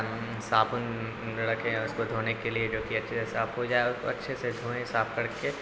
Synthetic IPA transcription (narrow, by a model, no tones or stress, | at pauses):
saːbʊn | ɐɽəkɦẽʊskod̪ʱoːnekelied͡ʒoːkiɐtːʃʰeɪsaːbɦod͡ʒaːeʊsko̰ɐtːʃʰesed̪ʱoːẽɦɪsaːb̚kɐɾke